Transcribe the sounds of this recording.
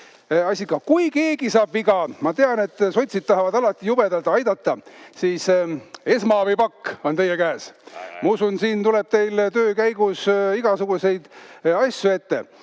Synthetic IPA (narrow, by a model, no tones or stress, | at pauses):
ɑsʲikɑkujke̞ːɡ̥isɑːb̥iɡɑmɑt̪e̞ɑne̞t̪ːˑso̞t̪ʲsid̪̚t̪ɑɦɑvɑd̪ɑlɑt̪ːˑijub̥ed̪ɑlt̪ɑjd̪̥ɑt̪ˑːɑsiːse̞smɑvɯjpɑkːo̞nt̪e̞jekæːsmɑusunsiːnt̪uleb̥t̪e̞jlt̪øːkæjɡ̥usiɡ̥ɑsuɡ̥use̞jd̪̥ɑsʲjue̞t̪ːe̞̰